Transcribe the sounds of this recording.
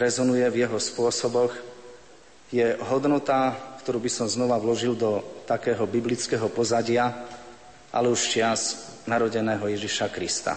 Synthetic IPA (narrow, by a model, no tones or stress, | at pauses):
ɾɛzɔnujɛvjɛɦɔspʊɔsɔbɔɣ | jɛɦɔd̪nɔt̪akt̪ɔɾuːbisɔmznɔʋaʋlɔʒild̪ɔt̪akɛːɦɔbiblit͡skɛːɦɔpɔzaɟɪa | ʔa̰lɛuʃt͡ʃɪaznaɾɔɟɛnɛːɦɔjɛʒiʃakɾist̪a̰